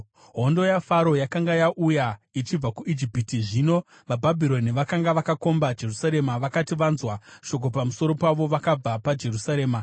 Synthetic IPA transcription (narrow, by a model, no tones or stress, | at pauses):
ɦo̞ndo̞jafaɾo̞jakaŋɡajaʔujait͡ʃib͡vakuʔid͡ʒipitiʐiːno̞ | ʋabʱabʱiɾo̞niʋakaŋɡaʋakako̞mbad͡ʒe̞rusaɾe̞maʋakatiʋanzwaʃo̞k̬o̞pamuso̞ɾo̞paʋo̞ʋakab͡vapad͡ʒe̞rusaɾe̞ːma